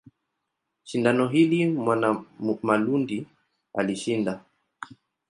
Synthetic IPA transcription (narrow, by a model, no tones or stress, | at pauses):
ʃindanɔɦilimwanamalundi | a̰liʃinda